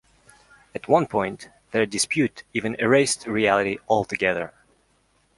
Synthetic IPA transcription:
ɨt̚ʰwʌ̃npʰɔ̃ɪ̃nt̪ | ðə˞dɨspʰjʉtivɨ̃nəɹeɪstɹiælˠɨɾiʔɔlˠtɨɡɛðə̰˞

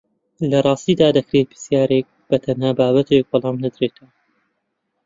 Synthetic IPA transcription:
lɐrˤɑːst̪iːd̪aːd̪ɐkɾeːt̪̚bɨsjaːɾek̚b̥ɐt̪ʰɐnhaːbaːbɐt̪ʰek̚bɑlˠɑːmnad̪ɾeːt̪ʰɐwa

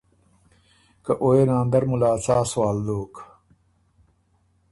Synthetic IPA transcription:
kɐʔoːenãːnd̪ɐɾmulaːt͡saːswaːld̪oːk

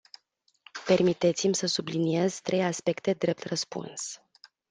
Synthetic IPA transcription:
pe̞rmit̪e̞t̪simʲsəsublinie̞z̥t̪ɾe̞jaspe̞kt̪e̞d̪ɾe̞p̚t̪rəspṵns

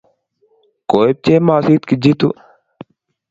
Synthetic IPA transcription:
koːeb̚t͡ʃeːmaːsiːt̪kid͡ʑit̪u

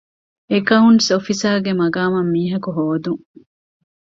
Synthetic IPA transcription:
ekɐunsofisaːɡemɐɡaːmɐmːiːɦɐkuɦoːd̪uŋ

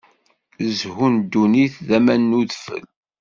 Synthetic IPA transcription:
əzhund̪uniθðæmænːuðfə̰l

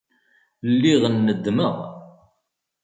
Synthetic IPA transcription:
lːiʁənːəd̪məʁ

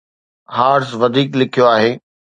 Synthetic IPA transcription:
haːɾsʋɐd̪ʱiːklɪkʰijoaːɦeː

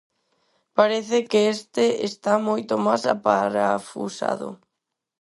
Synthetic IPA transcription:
paɾeθekeest̪eest̪amojt̪ʊmasa̰paɾafṵsa̰ðʊ̰

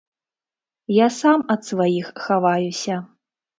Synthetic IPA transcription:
jasamɐt̪svajixxavajusʲɐ

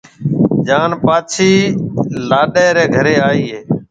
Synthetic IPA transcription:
d͡ʒaːnpaːt͡ʃʰiːlaːɗeːɾeːɡʱəɾeːaːiːɦeː

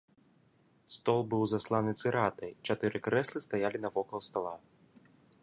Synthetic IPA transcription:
st̪ɔlˠbɨwzaslˠanɨt̪sɨɾat̪ɐjt͡ʃat̪ɨɾɨkɾɛslˠɨst̪ajalʲinɐvɔkɔlˠst̪alˠa

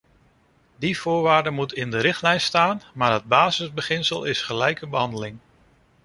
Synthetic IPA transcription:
div̥ʊːɹʋaːɹdəmutɪndəɾɪχtlɛjnstaːnmaːɹɦəd̚baːzəzbəχɪnsəlˠɪsχəlɛjkəbəɦɑndəlɪŋ

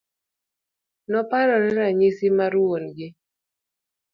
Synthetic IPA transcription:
nɔpaɾɔɾɛɾaɲɪsɪmaɾwonɡɪ

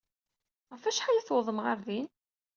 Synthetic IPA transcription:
ʁəfæʃħajæθwəðˤəmʁaɾðin

